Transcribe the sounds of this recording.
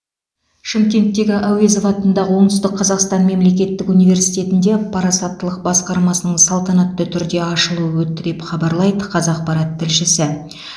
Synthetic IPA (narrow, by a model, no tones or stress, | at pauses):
ʃɪmkʲe̞nt̪ːe̞ɡʲɪʔæwe̞zovɑt̪ənd̪ɑʁəwo̞ɴt̪əst̪ɪqʰːɑzɑqst̪ɑnme̞mle̞k̬ʲe̞t̪ːɪkunijvʲe̞ɾsijt̪e̞t̪ɪnd̪e̞pʰɑɾɑsɑt̪ːəlˠəq̚bɑsqɑɾmɑsənəɴsɑlˠt̪ɑnɑt̪ːət̪ʰʏɾd̪e̞ɑʃəlˠuəwɵt̪ːɪd̪epχɑbɑɾlˠɑjd̪əqʰɑzɑq̚pɑɾɑt̪ʰːɪlʃɪsɪ